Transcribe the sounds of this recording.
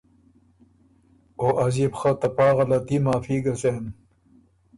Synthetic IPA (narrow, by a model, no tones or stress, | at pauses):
oːʔɐzibxɐt̪ɐpaːɣɐlɐt̪iːmaːfiːɡɐsen